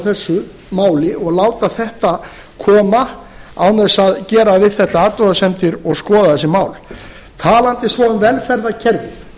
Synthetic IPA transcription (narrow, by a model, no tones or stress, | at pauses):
θɛsːʏ | maːwlɪɔɣlaːwt̪aθɛht̪a | kʰɔːmaawnɛsaðcɛːɾavɪðθɛht̪aaːt̪ɔðasɛmt̪ɪɾɔɣskɔːðaθɛsːɪmaːwl | t̪ʰaːlant̪ɪsvɔːʏnvɛlfɛɾðacʰɛɾvɪɾ̥